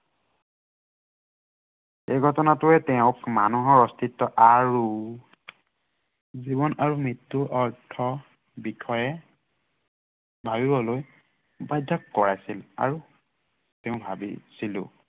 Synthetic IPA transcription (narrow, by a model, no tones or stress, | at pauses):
xejɡʱɔtɔnatʊɛtɛʊ̃kmanuɦɔɹɔstʰitːɔʔaɹu | zibɔnaɹumitːuʔɔɹtʰɔ | bikʰɔjɛ | bʱabibɔloj | bajdʱːɔkːɔɹajsila̰ɹu | tɛʊ̃bʱabḭsilʊ̰̃